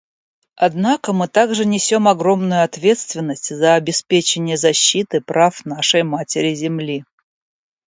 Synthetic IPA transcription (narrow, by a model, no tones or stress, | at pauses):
ɐd̪nakəmɨt̪aɡʐɨnʲɪsʲo̞mɐɡɾo̞mnʊjʊɐt̪vʲe̞t̪st̪vʲɪnːəsʲtʲzəɐbʲɪspʲet͡ɕɪnʲɪjəzɐɕːit̪ɨpɾafnaʂəjmatʲɪɾʲɪzʲɪmlʲi